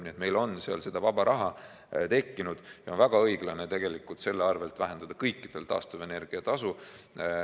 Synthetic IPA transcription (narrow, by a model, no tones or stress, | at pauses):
niet̪me̞jlo̞nseɑ̰lse̞d̪̥ɑvɑbɑɾʔɑɦɑ | t̪e̞kːinud̪̥jɑo̞nvæɡ̥ɑɤ̞jɡ̥lɑne̞t̪e̞ɡ̥e̞likːˑult̪se̞lːeɑrve̞lt̪væɦe̞nd̪̥ɑd̪ɑkɤjkːid̪̥e̞lt̪ɑ̰ːst̪ɑvene̞rɡ̥iɑt̪ɑsu